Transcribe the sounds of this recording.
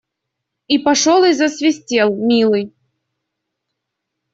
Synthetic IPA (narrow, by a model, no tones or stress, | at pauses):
ipɐʂolˠɨzəsvʲɪsʲtʲelˠmʲilˠɨj